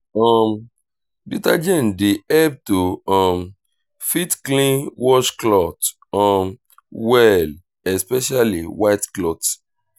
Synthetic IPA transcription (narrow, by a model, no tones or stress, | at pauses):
ɔm | buta̰d͡ʒɛ̃ndeɛb̚toɔ̃m | fitklĩnwɔʃklɔt | ɔ̃m | wɛl | ɛspɛʃaliwaɪtklɔt